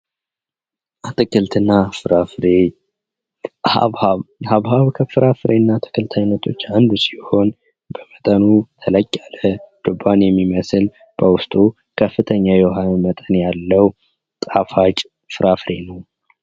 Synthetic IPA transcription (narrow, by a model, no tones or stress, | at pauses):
ʔat̪ɨkɨlt̪ʰɨnːafɨɾafɾe | ahaβhaβhaβkʰəfɨɾʔafɨɾenːat̪ʰɨ̥kʰʼɨlt̪ʰajnːət̪ʰo̞t͡ʃːand̪si̥ho̞n | bəmət̪ʼənut̪ʰələkʼːaləd̪̥ɨbːanjɛmːiməsɨl | b̥əwʊst̪ʼu | kʰəfːɨt̪ʰəɲːajoɦanmət̪ʼənjalːəw | t̪ʼafat͡ʃʼ | fɨɾʔafɾe̞nəw